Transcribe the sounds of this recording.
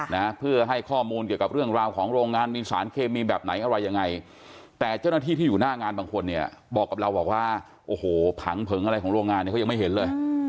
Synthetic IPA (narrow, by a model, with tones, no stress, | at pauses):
na˦˥pʰɯ˥˩ɐɦa˥˩jkʰɔː˥˩muː˧nk̬i˨˩əwka˨˩ɾɯ˥˩əŋɾaː˧wkʰɔː˩˦ŋɾoː˧ŋːaː˧nmiː˧sa̰ː˩˦nkʰeː˧miː˧bɛː˨˩p̚na˩˦jʔa˧ɾa˧jːa˧ŋːa˧j | t̪ɛː˨˩t͡ɕa˥˩wnaː˥t̪ʰiː˥˩t̪iː˥˩juː˨˩naː˥˩ŋaː˧nbaː˧ŋkʰo˧nːi˥˩ɐbɔː˨˩kːa˨˩ɾa˧wbɔː˨˩k̚waː˥˩ | ʔoː˧˩hoː˨˩pʰa˩˦ŋpʰɤ˩˦ŋʔa˧ɾa˧jkʰɔː˩˦˥ɾoː˧ŋaː˧nː˧˥˩kɔ˥˩jm˥˩jɦe˩˦nlɤː˧j